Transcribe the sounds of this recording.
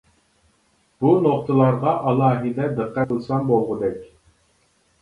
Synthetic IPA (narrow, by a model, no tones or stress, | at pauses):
b̥unoq̚t̪ʰəlˠɑɾʁɑʔɑlˠɑːɦɨd̪ɛd̪əqːæɨlˠsɑmbolˠʁʊd̪ɛkʲ